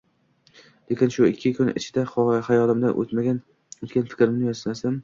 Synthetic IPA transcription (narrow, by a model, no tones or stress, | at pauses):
lekʲɪnʃʊɪkʲʰːɪkʰʊnɪ̰t͡ʃʰɪd̪aχhajɒlɪmd̪anʔo̰t̪maɡʲan | ot̪kʲanfɪ̥kʲɾɪmnɪjɒzmasam